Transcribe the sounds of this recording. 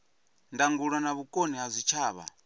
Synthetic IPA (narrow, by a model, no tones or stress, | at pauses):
ndaŋɡuɺanaβukʼoniɦazʷit͡ʃʰaːβa̰